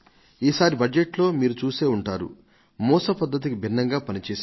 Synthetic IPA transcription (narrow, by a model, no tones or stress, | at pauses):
iːsaːɾibɐd͡ʒeʈlo̞ːmiːɾut͡ʃuːse̞ːuɳʈaːɾṵ | mɔːsɐpɐd̪ːɐt̪̬ikibʱinːɐŋɡaːpɐnit͡ʃeːs